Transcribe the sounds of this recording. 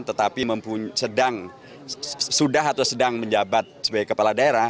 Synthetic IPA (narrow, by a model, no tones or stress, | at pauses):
t̪ət̪apiməmpuɲsədaŋ | sudaɦat̪awsədaŋməɲd͡ʒabat̪̚səbaɡɛkəpaladaeɾa